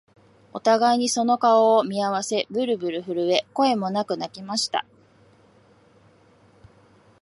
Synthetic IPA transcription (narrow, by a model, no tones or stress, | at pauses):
o̞t̪aɡaiɲ̟iso̞no̞kao̞ːmʲiaβase̞bɯ̟ɾɯ̟bɯ̟ɾɯ̟ɸɯ̟ɾɯ̟e̞ko̞e̞mo̞nakɯ̟nakʲimaɕi̥t̪a̰